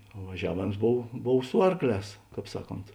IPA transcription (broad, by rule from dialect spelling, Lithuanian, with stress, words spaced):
oː ʋɐˈʒʲæːʋʲeːms ˈboːw ˈboːw ˈsʊ ɐrkˌlʲɛːs ˈkɑːp ˈsɑːˌkoːnt